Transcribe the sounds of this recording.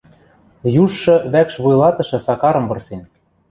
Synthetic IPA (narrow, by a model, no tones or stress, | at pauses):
juʃːɤ̆βækʃβujlɑt̪ɤ̆ʃɤ̆sɑkɑɾɤ̆mbɤ̆rsen